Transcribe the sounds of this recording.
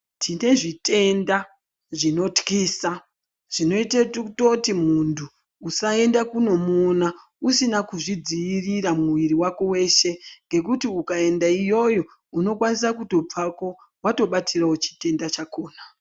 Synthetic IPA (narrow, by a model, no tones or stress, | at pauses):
tʰine̞ʐitʰe̞nda | ʐino̞tkiːsa | ʐ̥ino̞itetkutotimuntʰuː | sae̞ndakuno̞muna | usinakuʐid͡ziiriramuʋiɾiwako̞we̞ːʃe̞ŋɡe̞k̬utiukae̞ndaijo̞jo̞ | uno̞kwanis̬akutob͡vako̞ | wato̞ɓatʰirawot͡ʃi̥te̞ndat͡ʃako̞ːna